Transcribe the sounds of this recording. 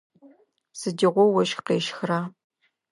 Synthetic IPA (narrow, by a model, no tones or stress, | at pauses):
sɨdiʁʷɔwɐʃxqeːʃxraː